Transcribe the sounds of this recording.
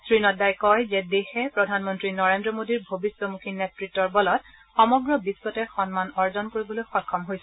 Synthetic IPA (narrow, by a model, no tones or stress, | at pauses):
sɹinɔt̚dajkɔjzɛdexɛpɹɔdʱanmɔntɹinɔɹendɹɔmodiɹbʱobiswɔmukʰinetɹitːɔɹbɔlɔt̚ | xɔmɔɡɹɔbisːɔtɛxɔnmanɔɹzɔnkoɹibɔlojxɔkʰːɔmɦojsɛ